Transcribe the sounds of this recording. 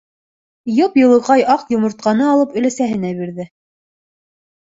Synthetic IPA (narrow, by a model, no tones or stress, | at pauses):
jopjɤ̆lˠɤ̆ʁɑjʔɑqjŏmŏɾt̪̚qɑnɤɑlˠɤpɵ̆læsæɦɘ̆næβiɾðɘ